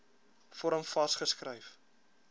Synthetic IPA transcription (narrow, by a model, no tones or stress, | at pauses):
fɔɾəmfɐstχəskrəjf